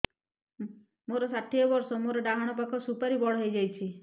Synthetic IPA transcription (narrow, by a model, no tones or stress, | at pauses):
moɾɔsaʈʰiɔbɔɾsɔmoɾɔɖaɦaɽ̃ɔpakʰɔsupaɾibɔɽɔɦəjd͡ʒajt͡ʃʰi